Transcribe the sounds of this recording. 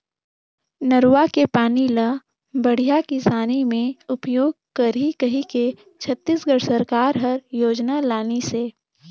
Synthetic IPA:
nəɾwakepaːnilə | bəɽ̤ijakɪsaːnimẽʊpjoːɡ̚kəɾikəɦike | t͡ʃʰət̪ːiːsɡəɽsəɾkaːɾɦəɾjoːd͡ʒnalaːneseː

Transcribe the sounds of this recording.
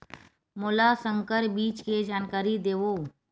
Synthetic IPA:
moːlasəŋkəɾbiːt͡ʃked͡ʒaːnkaːɾid̪eːʋoː

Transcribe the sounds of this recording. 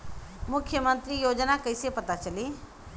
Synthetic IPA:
mʊkʰjəmə̃nt̪ɾijoːd͡ʒnakɐɪsepɐt̪at͡ʃəli

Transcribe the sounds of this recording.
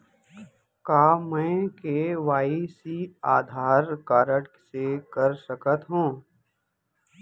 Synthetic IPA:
kaːmɛ̃ːkeʋaːisiaːd̪ʱaːɾkaːɾəʈsekəɾsəkət̪ɦũː

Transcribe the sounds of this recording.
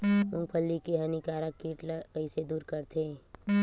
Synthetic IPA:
mʊ̃ŋpʰəlːikeɦɐnikaːɾakiːʈləəɪsed̪uːɾkəɾt̪ʰe

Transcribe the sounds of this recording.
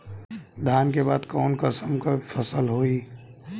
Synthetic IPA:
d̪ʱjaːnkebaːd̪kɔːnkəsəmkapʰəsəlɦoːi

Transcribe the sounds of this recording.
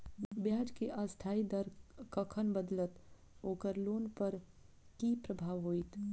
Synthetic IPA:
bjaːd͡ʒkeʔast̪ʰaːid̪əɾkəkʰənbəd̪lət̪ | oːkəɾloːnpəɾ | kipɾəbʱaːʋɦoːit̪

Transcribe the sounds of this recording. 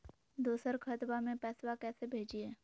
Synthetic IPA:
d̪oːsəɾkʰət̪bamẽpɛːswakɛːsebʱeːd͡ʒieː

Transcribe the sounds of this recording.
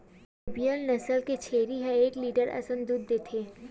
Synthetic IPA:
ɪbijəlnɐsəlket͡ʃʰeːɾiɦɛ̃eːkliːɖəɾɐ̰sə̃nd̪uːd̪ːeːt̪ʰeː

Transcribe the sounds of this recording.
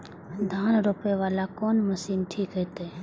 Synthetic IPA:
d̪ʱaːnɾoːpeʋaːlakoːnmɐsiːnʈʰiːkɦɛt̪e

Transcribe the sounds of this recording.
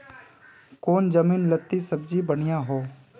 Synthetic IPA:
koːnd͡ʒəmiːnlət̪ːisəbd͡ʒibəɽ̃ɪjãɦoː

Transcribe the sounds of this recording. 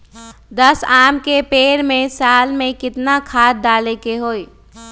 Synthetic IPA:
d̪əsaːmkepeːɾmẽsaːlmẽkɪt̪nakʰaːt̪̚d̪aːlekeɦoːi

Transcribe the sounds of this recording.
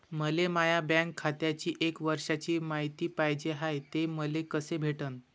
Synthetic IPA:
məlemajabãŋkʰːat̪jat͡ɕiːʔekʋəɾʂat͡ɕiːmaɦit̪iːpaɦjd͡ʑeɦajt̪eməlekəsebʱeʈən

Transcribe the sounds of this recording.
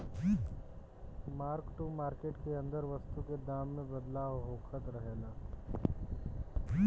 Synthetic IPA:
i | maːɾkʈumaːɾkeːʈkeɐ̃nd̪əɾʋɐst̪uked̪aːmːẽbɐd̪laːʋɦoːkʰət̪ɾəɦeːlaː | i

